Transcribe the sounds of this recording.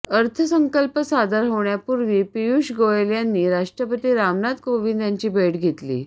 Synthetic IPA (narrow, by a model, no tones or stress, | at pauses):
əɾt̪ʰəsəŋkəlpəsad̪aɾɦoʋɳjapuɾʋiːpijuɕɡoeljanːiːɾaʂʈɾəpət̪iːɾamnat̪koʋind̪jaɲt͡ɕiːbʱeʈɡʱet̪lḭ